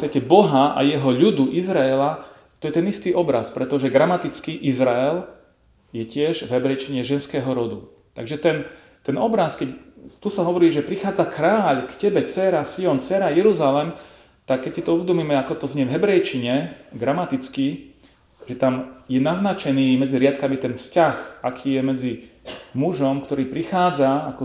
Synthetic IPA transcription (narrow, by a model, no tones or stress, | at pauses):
st̪acɛbɔɦaa̰jɛɦɔʎud̪uʔizɾaɛla | t̪ɔjɛt̪ɛnist̪iːʔɔbɾaspɾɛt̪ɔʒɛɡɾamat̪it͡skiʔizɾaɛl | jɛcɪɛʒvɦɛbɾɛjt͡ʃiɲɛʒɛnskɛːɦɔɾɔd̪u | t̪a̰ɡʒɛt̪ɛn | t̪ɛnɔbɾaskɛct̪usaɦɔʋɔɾiːʒɛpɾixaːd͡zakɾaːʎkcɛbɛt͡sɛɾasiɔnt͡sɛɾajɛɾuzalɛm | t̪akːɛcsit̪ɔuʋɛd̪umiːmɛakɔt̪ɔzɲɛvɦɛbɾɛjt͡ʃiɲɛɡ̪ɾamat̪it͡ski | ʒɛt̪amjɛnaznat͡ʃɛniːmɛd͡ziɾɪat̪kamit̪ɛnfscaxakʰiːjɛmɛd͡zimuʒɔmkt̪ɔɾiːpɾixaːd͡zaakɔ